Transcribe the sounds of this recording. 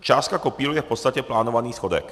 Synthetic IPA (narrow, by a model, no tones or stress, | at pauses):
t͡ʃaːskakɔpiːlujɛfpɔt̪st̪acɛplaːnɔʋaniːsxɔd̪ɛ̰k